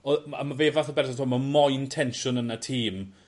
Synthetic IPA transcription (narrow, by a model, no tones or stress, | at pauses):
ɔa̰maveːvaθɔbɛrθɔntʰoːmamɔjntʰɛnʃʊnənatʰiːm